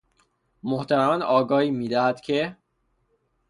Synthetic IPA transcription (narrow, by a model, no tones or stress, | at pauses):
moht̪ʰæɾæmænɒːɡɒːiːmiːd̪æhæd̪̥cʰe̞